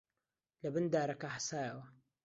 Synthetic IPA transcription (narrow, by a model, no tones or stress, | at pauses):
lɐbɨnd̪aːɾakaħasaːjawɐ